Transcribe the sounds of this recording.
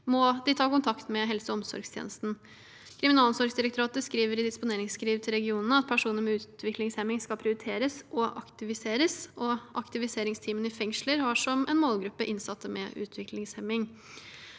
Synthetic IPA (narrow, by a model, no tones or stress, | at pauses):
mɔd̪ɪt̪ʰɑːkʊnt̪ʰɑkt̪mɛɦɛlsəɔmsɔ̰ɾɡst̪ʰjḛːnəst̪n̩ | kʰɾɪmɪnɑːlˠɔmsɔɾɡsd̪ɪɾəkt̪ʊɾɑːt̪əskɾiːʋəɾɪd̪ɪspʊneːɾɪŋskʰɾiːʋt̪ʰɪlɾɛɡɪuːnənəɑt̪̚pʰæʂuːnəɾmɛʉːt̪t̪ʰʋɪklɪŋshɛmːɪŋskɑlpʰɾɪʊɾɪt̪ʰeːɾəsʔɔʔɑ̰kt̪ɪʋɪseːɾəsɔʔɑkt̪ɪʋɪseːɾɪŋst̪ʰiːmənɪfɛŋʂləɾhɑʂɔmʔɛ̰nmoːlɡɾʉpːəʔɪnsɑt̪ʰːəmɛ̰ʔʉ̰ːt̪ʰʋɪklɪŋshɛmːɪŋ